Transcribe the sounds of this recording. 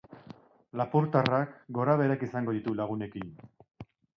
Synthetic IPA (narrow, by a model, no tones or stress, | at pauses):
lapuɾt̪arakɡo̞ɾaβ̞e̞ɾakisaŋɡo̞ð̞it̪ulaɣ̞une̞kin